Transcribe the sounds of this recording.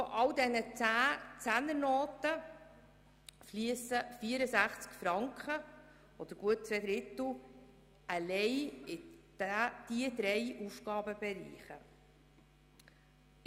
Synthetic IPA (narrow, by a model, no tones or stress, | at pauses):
foʔɑld̪ɛnət͡sæt͡sænəɾnoːt̪ə | fliəsəfiəɾəsæχt͡skfɾɑŋkχə | ɔd̥̪əɾɡ̥uət̚t͡sʋɛd̪ɾɪt̪l̩ | əlɛjɪd̥d̪̥iəd̪ɾɛjʔusɡ̥ɑːbəbɛɾḭːχə̰